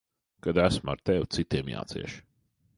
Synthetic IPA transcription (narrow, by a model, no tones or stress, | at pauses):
kad̪æsma̰ɾt̪ɛwt̪sit̪iɛmja̰ːt̪sḭɛʃ